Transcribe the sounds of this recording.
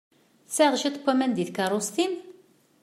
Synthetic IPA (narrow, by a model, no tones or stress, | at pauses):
saʁʒit̪ˤkʷːæmænd̪iθkɑrˤost̪in